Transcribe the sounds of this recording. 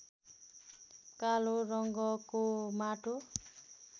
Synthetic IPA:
kaloɾʌŋɡʌkomaʈo

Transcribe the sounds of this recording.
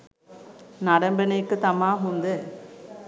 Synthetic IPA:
nɐɽɐmbɪnɐkːɯt̪ɐmaːmʊnd̪ɯ

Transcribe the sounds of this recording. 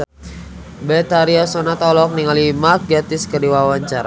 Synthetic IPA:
bɛt̪aɾiasɔnat̪ɔlɔk̚niŋalimakɡat̪ɪskədiwawaɲt͡ʃaɾa

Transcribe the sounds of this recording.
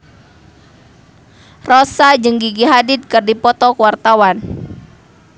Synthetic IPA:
rɔsad͡ʒɨŋɡiɡiɦadɪd̪̚kɨrdipɔt̪ɔkəwart̪awan

